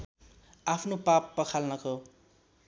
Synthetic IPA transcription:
apʰnopapːʌkʰalnʌko

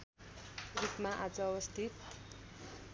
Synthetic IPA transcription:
rupmaʔad͡zʌʌwʌst̪ʰit̪

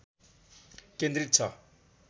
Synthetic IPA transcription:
kend̪rit̪̚t͡sʰʌ

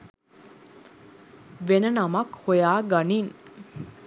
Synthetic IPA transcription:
ʋenənamakhojaːɡanin

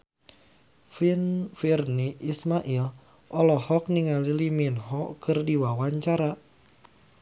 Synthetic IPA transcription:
fnfirniʔːsmaʔil | ʔɔlɔhɔk̚niŋaliliminɦɔkɨrdiwawaɲt͡ʃaɾa

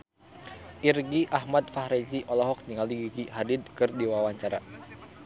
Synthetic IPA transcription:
ʔirɡiʔaɦmad̪̚fahɾɛd͡ʒiʔɔlɔɦɔk̚niŋaliɡiɡiɦadid̪̚kɨrdiwawaɲt͡ʃaɾa

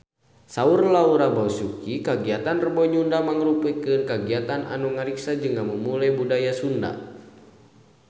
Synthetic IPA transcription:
saurlauɾabausukikaɡiat̪anrəbɔɲundamaŋɾupukɨnkaɡiat̪ana̰nuŋaɾiksad͡ʒɨŋːaməmulajbudajasunda̰

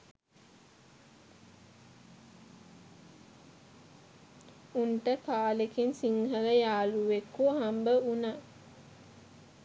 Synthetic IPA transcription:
unʈəkaːlekinsiŋɦələjaːluʋekuɦambəuna

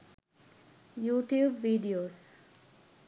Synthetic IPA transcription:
juːʈjuːbʋiːɖioːs

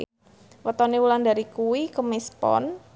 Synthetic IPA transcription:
wɔt̪ɔniwulandaɾikuwikəmispɔ̰n

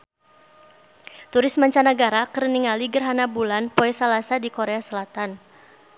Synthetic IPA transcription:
t̪uɾɪsmaɲt͡ʃanaɡaɾakəɾəniŋaliɡərɦanabulanpoɛsalasadikoɾeasəlat̪an

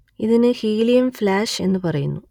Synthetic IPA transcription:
iðinɨhiːlijɐmflaːʂe̞nːɨpɐrɐjunːu

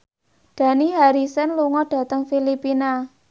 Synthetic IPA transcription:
ɖ̥ä̤niɦaɾisənluŋɔɖ̥a̤t̪əŋfilipina

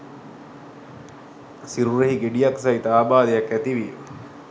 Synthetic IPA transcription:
siɾuɾeɦiɡeɖijaksait̪aːbaːd̪ejakæt̪iʋiː

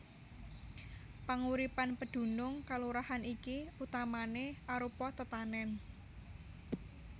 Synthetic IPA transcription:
paŋuɾipanpəɖ̪̥ṳnʊŋkaluɾahanikiut̪amaneʔaɾupɔt̪ət̪anɛn

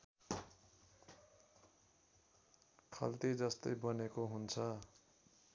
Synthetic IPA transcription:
kʰʌ̰lt̪id͡zʌst̪ʌjbʌnekoɦunt͡sʰʌ

